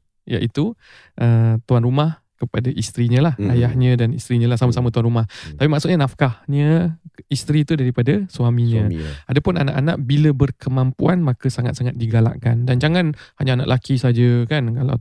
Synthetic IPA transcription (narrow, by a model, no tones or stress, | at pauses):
ja̰ʔit̪u | ʔət̪uanrumah | kəpadaʔist̪ɾiɲə̃lahajahɲə̃danḭst̪ɾiɲə̃lahsamasamə̃t̪uanɾumaht̪apimaʔksut̪̚ɲənafkahɲə̃ist̪ɾit̪udaɾipadasuamĩɲə̃adapʊnana̰ʔana̰ʔbiləbərkʰəmãmpuanmakəsaŋat̪̚saŋat̪̚diɡala̰ʔkandand͡ʒaŋãnhaɲaana̰ʔlʔakisad͡ʒəkankala̰